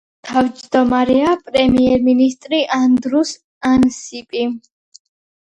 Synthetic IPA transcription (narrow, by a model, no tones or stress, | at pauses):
t̪ʰavd͡ʒd̪ɔmaɾɛapʼɾɛmiɛɾminist̪ʼɾiʔand̪ɾus | ansipʼi